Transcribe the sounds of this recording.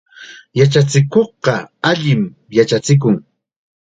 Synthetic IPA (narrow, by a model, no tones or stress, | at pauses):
jat͡ʃat͡sɪkoχɢɑaʎɪm | jat͡ʃat͡sɪk̬ʊŋ